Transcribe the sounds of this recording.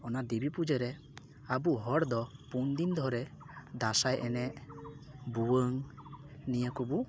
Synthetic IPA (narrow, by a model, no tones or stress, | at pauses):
ɔnad̪ibipud͡ʒəɾɛ | abuɦɔɾd̪ɔpund̪ind̪ʱɔɾɛ | d̪asajʔɛnɛʔ | buwəŋ | nijəkɔbu